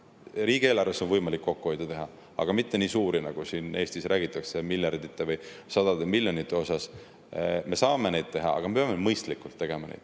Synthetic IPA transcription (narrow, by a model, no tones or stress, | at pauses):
riːɡ̥ieːlɑrvesonvɤjmɑlikːo̞kːuho̞jd̪̥et̪eɦɑ | ɑ̰ɡ̥ɑmit̪ːe̞niːsuːɾinɑɡ̥usine̞ːst̪isɾæːɡ̥it̪ːˑɑkse̞miljɑrd̪̥it̪ˑːe̞vɯjsɑd̪ɑd̪emilʲjo̞nit̪ːˑe̞o̞sɑs | me̞sɑːme̞ne̞jd̪̥̚t̪e̞ɦɑɑ̰ɡ̥ɑmepeɑme̞mɤjst̪likːult̪ːe̞ɡ̥e̞mɑnḛd̪̥